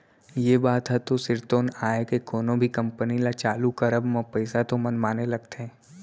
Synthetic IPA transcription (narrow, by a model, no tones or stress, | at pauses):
jeːbaːt̪ɦɛt̪osɪɾt̪oːnaːekekoːnõbʱikɐ̃mpənilat͡ʃaːlukɐɾəbmɐ̃pɛɪsat̪omɐnmaːnelɐɡt̪eɦɛ̃ː